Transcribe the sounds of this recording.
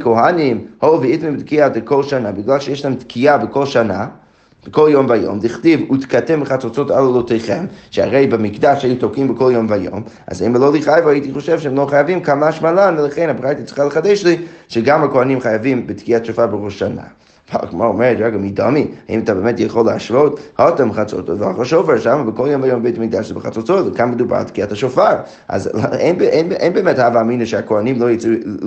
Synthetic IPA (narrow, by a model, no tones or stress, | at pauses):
koɦanimhovəitmimbɪt̪kiadəkʰolˠʃanabiɡlalˠʃejɛʃlaemt̪kʰiabəkolˠʃana | b̥əkolˠjombajo̰mtiχtivut̪katɛmbəχat͡sot͡sota̰lˠalotejχemʃəa̰ʁejbɪmikdaʃejutokimbəkʰolˠjombajo̰ma̰zaimlˠoliχajvajeitiχoʃɛvʃɛɛmlˠoχajavimkamaʃmalanvəlaχenabʁajtit͡si̥χaləχadeʃliʃɛɡamakoanimχajavimbətkiataʃofaɾbəʁuʃana̰ | valkmoomɛɾtaɡəmidɔmiaḭmatabeɛmɛtjaχolːˠəaʃvothɔtamχat͡so̰todvaχɔʃovɛɾʃamabəkolˠjomvajombejtimiɡ̚daʃibəχa̰t͡sot͡sotkanməduba̰ɾa̰tkiataʃofaɾ | ʔa̰zenbenʔenbɛːmɛthavaːminəʃɛakoanimlojet͡s